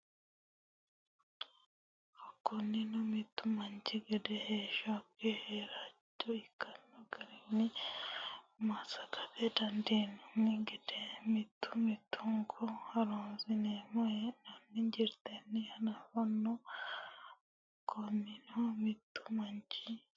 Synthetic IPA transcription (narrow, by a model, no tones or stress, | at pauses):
akːonːinomit̪ːumaɲt͡ʃiɡedeheʃakeheɾatːoikanːoɡaɾini | umasakatedandinuniɡedemit̪u̥mit̪uŋɡʰohaɾonzinemoenoniɲɟiɾt̪enihanaβono | akʰoninomit̪u̥maɲt͡ʃi